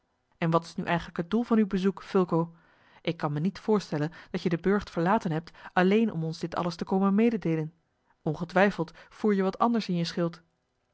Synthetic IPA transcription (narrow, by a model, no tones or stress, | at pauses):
ʔɛnʋɑtɪ̥snyʔɛ̰jχənləkɦəd̚dulˠvɑnywbəzukfʏlˠkow | ʔɪkːɑnmənitfʊːɹstɛlənd̥ɑtjədəbɵɹχtfəɹlaːtənɦɛp̚tɑlejnʔɔ̰mɔnzdɪtɑ̰ləstəkowmənmejdədejlən | ɔnχətʋɛjfəlˠtfuːɹjəʋɑtɑ̰ndəɹsɪnjəsχɪlˠt